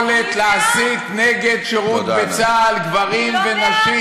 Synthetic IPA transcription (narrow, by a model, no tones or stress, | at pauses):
let̪laasit̪neɡed̪ʃeʁut̪bet͡salɡvaʁimvenaʃi